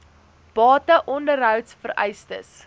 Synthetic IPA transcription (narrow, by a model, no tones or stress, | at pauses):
b̥ɑːtəʔɔndəɾɦœwtsfərɛ̰jstə̰s